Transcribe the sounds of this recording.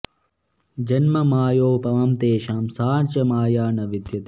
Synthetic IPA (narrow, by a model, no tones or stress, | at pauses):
d͡ʒɐnmɐmaːjoːpɐʋɐmt̪eːʃaːmsaːɳt͡ʃɐmaːjaːnɐʋid̪jɐt̪i